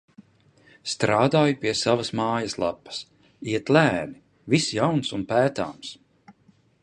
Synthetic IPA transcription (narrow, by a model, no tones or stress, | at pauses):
st̪ɾaːd̪aːjupiɛsavɐsmaːjɐslˠa̰pːɐ̥s | iɛt̪læːni | visjawnsunpæːt̪a̰ːms